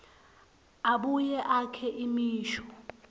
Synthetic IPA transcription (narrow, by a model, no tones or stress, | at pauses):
aɓujɛʔakʰɛʔimiːʃɔ̥